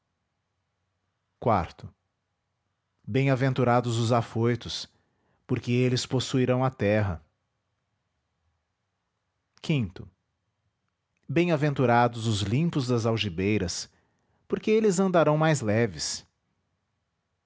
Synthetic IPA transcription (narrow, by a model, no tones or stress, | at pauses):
kwa̰ɾt̪ʊ | bẽj̃avẽnt̪uɾad̪ʊzʊzafojt̪ʊs | poɾkeelɪsposuiɾɐ̃w̃ɐt̪ɛɦɐ̰ | kĩnt̪ʊ | bẽj̃avẽnt̪uɾad̪ʊzʊzlĩpʊzd̪ɐzawʒibejɾɐs | poɾkeelɪzɐ̃nd̪aɾɐ̃w̃majzlɛvɪs